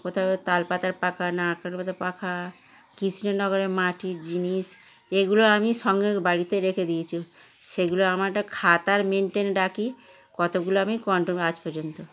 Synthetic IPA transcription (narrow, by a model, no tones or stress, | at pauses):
kot̪ʰat̪alpat̪aɾpakʰanakalpat̪aɾpakʰa | kisʰinenɔɡɔɾemaʈid͡ʑinis | eɡuloamiʃɔŋɡebaɽit̪eɾekʰed̪iet͡ɕʰu | ʃeɡuloamaʈakʰat̪aɾmenʈenɖaki | kɔt̪oɡuloamikɔɳʈomat͡ɕpɔɾd͡ʑont̪o